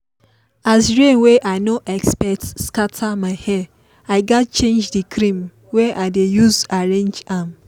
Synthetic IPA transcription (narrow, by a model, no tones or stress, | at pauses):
asɹẽnweʔaɪnoʔɛkspɛk̚tskatʰamaɪhɛ | aɪɡatt͡ʃẽnd͡ʒdikʰɾĩm | wɛʔaɪdejuzaɹẽnd͡ʒam